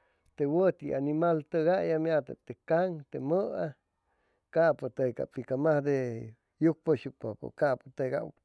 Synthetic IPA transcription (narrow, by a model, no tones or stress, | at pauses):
t̪ewət̪iʔanimalt̪əɡaʔjamjat̪a̰t̪ekaŋt̪eməa | kapot̪ejka̰pikamahd̪e | juk̚poʃjuk̚popo̰kaʔpot̪eɡa̰